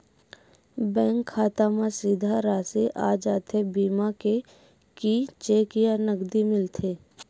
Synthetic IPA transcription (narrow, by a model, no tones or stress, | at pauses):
bɛ̃ːŋkʰːaːt̪amãsiːd̪ʱaɾaːsiʔaːd͡ʒaːt̪ʰebiːmake | kit͡ʃeːkijanəɡd̪imɪlt̪ʰeː